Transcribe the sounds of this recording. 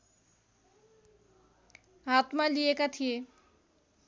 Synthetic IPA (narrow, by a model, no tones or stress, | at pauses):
at̪malijekat̪ʰie